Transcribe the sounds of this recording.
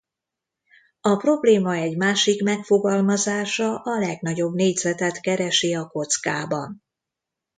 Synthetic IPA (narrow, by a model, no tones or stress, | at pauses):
ɒpro̞bleːmɒɛɟmaːʃikmɛkfo̞ɡɒlmɒzaːʃɒʔɒlɛɡnɒɟo̞bneːɟzɛt̪ɛt̪kɛɾɛʃiɒko̞t̪skaːbɒ̰n